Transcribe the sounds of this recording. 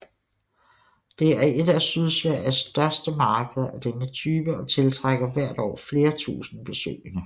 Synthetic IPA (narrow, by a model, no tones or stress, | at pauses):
d̥e̝æɐe̝d̥æsyð̞ˠsʋæɐ̰ɐsd̥ɶɐsd̥əmɑ̈ːɡ̥əð̩ˠæd̥enət͡sʰyːb̥əɒ̽t͡sʰe̝lt͡sʰʁaɡ̥ɐʋæɐ̰d̥ɒ̰ːfle̝ːɐt͡sʰṵːsn̩b̥e̝sø̰ːɪnə